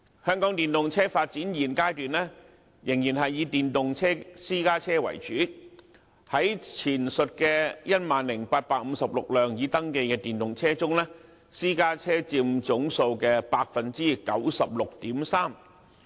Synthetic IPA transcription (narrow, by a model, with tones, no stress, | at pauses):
hœː˥ŋkɔː˨˥ŋt̪iː˨nt̪ʊ˨ŋt͡sʰɛː˥faː˧t̚t͡siː˨˥njiː˨˩nkaː˥jt̪yː˨nlɛː˥ | jɪ˨˩ŋjiː˨˩nhɐ˨jːiː˨˧t̪iː˨nt̪ʊ˨ŋt͡sʰɛː˥siː˥kaː˥t͡sʰɛː˥wɐ̰˨˩jt͡ʃyː˨˥ | hɐ˨˥jt͡sʰiː˨˩nsɵ˨t̚kɛː˧jɐ˥t̚maː˨nlɪ˨˩ŋpaː˧t̚paː˧k̚m̩˨˧sɐ˨p̚lʊ˨k̚lœː˨ŋjiː˨˧t̪ɐ˥ŋke˧jkɛː˧t̪iː˨˩nt̪ʊ˨ŋt͡sʰɛː˥t͡sʊ˥ŋlɛː˥ | siː˥kaː˥t͡sʰɛː˥t͡siː˧mt͡sʊ˨˥ŋso˧wkɛː˧paː˧k̚fɐ˨nt͡siː˥kɐ̰˨˥wsɐ˨p̚lʊ˨k̚t̪iː˨˥msaː˥m